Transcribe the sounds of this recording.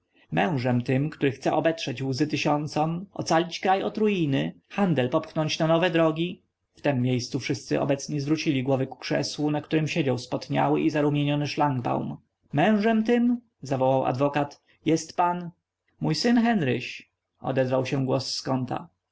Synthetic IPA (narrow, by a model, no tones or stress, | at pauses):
mɛ̃w̃ʐɛmt̪ɘmkt̪uɾɘxt̪sɛʔɔbɛtʂɛd͡ʑuzɘt̪ɪɕɔnt̪sɔmɔ̰t̪salʲit͡ɕkɾajɔt̪ɾujinɘxand̪ɛlpɔpxnɔɲt͡ɕnanɔvɛd̪ɾɔɡʲi | ft̪ɛmːjejst̪sufʂɘst̪sɘ̰ʔɔ̰bɛt̪sɲɛzvɾut͡ɕilʲiɡwɔvɛku̥kʂɛ̰swunakt̪uɾɘmɕed͡ʑawspɔt̪ɲa̰wɘ̰ʔizaɾumʲjeɲɔnɘʂlaŋɡba̰wm | mɛ̃w̃ʐɛmt̪ɘm | zavɔwawa̰d̪vɔkat̪ | jɛst̪pan | mujsɘnxɛnɾɘ̰ɕ | ɔ̰d̪ɛzvawɕɛ̃ɡwɔsːkɔnt̪a̰